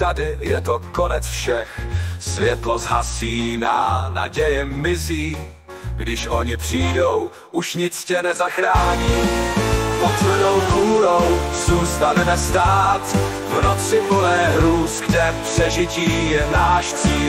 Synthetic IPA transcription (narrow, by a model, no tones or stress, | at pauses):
t̪adɪjɛ̰t̪okonɛt͡sfʃɛxsvjɛt̪lozɦa̰siːna̰na̰ɟɛjɪmɪziː | ɡdɪʃʔo̞ɲɪpr̝̥iːdo̞w | ʔuʃɲɪt͡scɛnɛzaxɾaːɲiː | pot͡slɛnowɦuːɾowzuːst̪anɛnɛst̪aːt̪ | vnot͡sɪvodɛːɾuːsɡdɛfpr̥ɛʒɪciːjɛnaːʃt͡siː